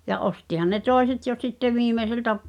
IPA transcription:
jɑ ostihɑn ne toˑeset jo sitːe ʋiːmeseltæ

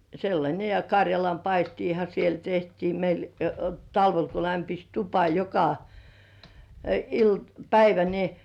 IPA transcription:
selːɑnʲe jɑ kɑrʲjɑlɑmpɑistiːhɑ siel tehtiː meil tɑlʋel ko læmpis tupɑ jokɑ ilt pæiʋæ ni

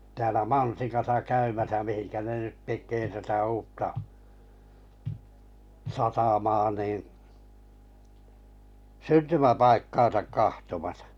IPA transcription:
tæːlæ mɑnsikɑsɑ kæymæsæ mihinkæ ne nyt tekˑeː tætæ uːtːɑ sɑtɑmɑː niˑn syntymæpɑikːɑːn̞sɑk kɑhtomɑsɑ̥

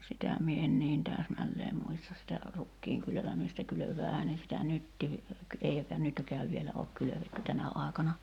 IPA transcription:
sitæ mie en niːn tæːsmælːeːm muistɑ sitæ rukːiːŋ kyløʋæmistæ kyløʋˑæːhæː ne sitæ nytːiː eikæ nytkæːʋ ʋielæ oːk kyløʋetːy tænæ ɑˑi̞kɑnɑ

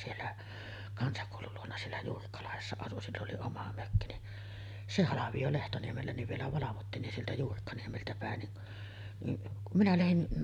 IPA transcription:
sielːæ kɑnsɑkoˑulul luonɑ sielːæ juːrikːɑlɑhesːɑ ɑsu silː oli omɑ møkːi ni se hɑlɑʋij̆o lehtoniemelːæ niʋ ʋielæ ʋɑlɑʋotːiːn nin sieltæ juːrikːɑniemeltæ pæˑen niʔ niʔ kum minæ læhin

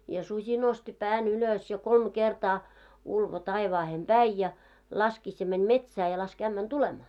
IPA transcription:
jɑ susʲi nosti pæːn yløs jɑ kolm kertɑː ulʋo tɑiʋɑːhem b̥æi jɑ lɑskis jɑ mænʲ metsæː jɑ lɑsk æmːæn tulemɑː

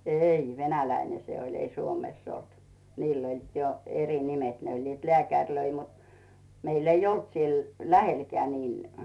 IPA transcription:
ei ʋenælæine se olʲ ei suomeˑsː olt niːl olʲ jo eri nimet ne olʲ leæˑkærʲløi mut meil eij olt siel læhelkĕæ niːn

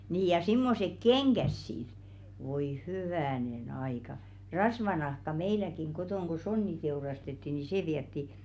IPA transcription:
niː jɑ simːosek keŋɡ̊æs sit ʋoi hyʋæˑnen ɑikɑ rɑsʋɑnɑhkɑ meilækiŋ ɡ̊otoˑŋ ko sonːi teurɑstetːi ni seˑ ʋiɛtːi

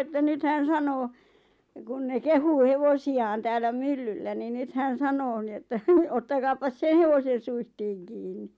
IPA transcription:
etːæ nyt hæn sɑnoː kun ne kehuː heʋosiɑːn tæːlːæ mylːylːæ ni nyt hæn̞ sɑnoː ni etːæ otːɑkɑːpɑs sen̆ heʋosen̞ suihtiːŋ kiːnːi

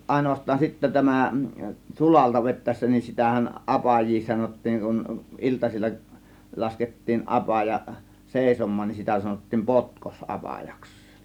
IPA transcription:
ɑˑe̝noʋɑstˑɑːn sitːæ tæmæ sulɑltɑ ʋetˑæˑe̝sːæ nin sitæhæn ʔɑpɑjˑiː sɑnotˑiːŋ kun iltɑsilʲːɑ lɑsketːiːn ʔɑpɑjɑ seˑisomˑɑːn nin sitæ sɑnotːiːm potkos ʔɑpɑjɑks

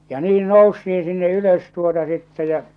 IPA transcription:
jɑ niːn noustiin̞ sinːe yløs tuotɑ sitːɛ jæ̠

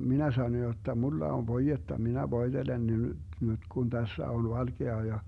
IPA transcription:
minæ sɑno jotːɑ mulːɑ oʋ ʋoijetːɑ minæ ʋoid̥elen ne nyd̥ nyd̥ ɡ̊un d̥æsːæ on ʋɑlɡ̊eɑ jɑ

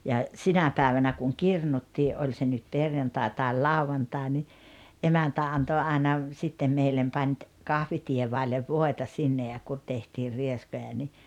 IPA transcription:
jɑ sinæ pæːʋænæ kuŋ kirnutːiːʔ ʔolʲ se nyt perjɑntɑˑe tɑˑel lɑuʋɑntɑˑe ni ʔemæntæ ɑnto ɑˑenɑ sitːem meilːem pɑnʲ t kɑhʋitieʋɑˑelːeʋ ʋoˑetɑ sinːe jɑ kun tehtiːr rieskojɑ ni

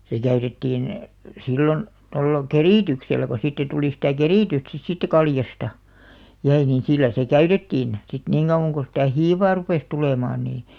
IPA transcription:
se kæytetːiːn silːon tolːɑ keriˑtykselːæ ko siːtːæ tuli sitæˑ keriˑtyst sit siːtːæ kɑljɑstɑ jæi nin silːæ se kæytetːiːn sit niŋ ɡ̊ɑuw̆ɑŋ ɡ̊o sitæˑ hiːʋɑː rupeˑs tuleˑmɑːn niː

